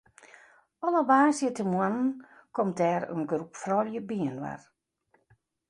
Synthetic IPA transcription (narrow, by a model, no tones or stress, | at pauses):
ɔləbaːsjətəmwann̩kɔmdɛːɾə̰nɡrupfrɔljəbiənʋa̰r